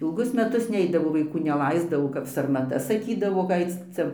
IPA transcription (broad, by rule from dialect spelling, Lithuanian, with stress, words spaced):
ɪlˠˈɡʊs mʲɛˈtʊs ˈnʲɛɪdɐʋoː ʋɐɪˈkuː nʲɛˈlˠɐɪzdɐʋoː kɐp sɐrmɐˈtɐ sɐˈkʲiːdɐʋoː ɡɐ ˈɐɪt͡s ˈt͡sʲɛ